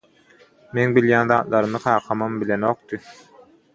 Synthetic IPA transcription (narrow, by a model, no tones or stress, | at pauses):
meŋbiljæːnðɑːt̪̚lˠɑɾɯmɯqʰɑːqʰɑmɑmbilʲeno̞ːq̚t̪ɯ